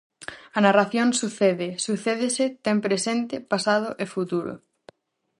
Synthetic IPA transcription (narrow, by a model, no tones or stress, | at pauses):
ɐnaraθjoŋsuθeðɪsuθeðɪsɪt̪ɛmpɾesent̪ɪpasað̞ʊʔefut̪uɾʊ̰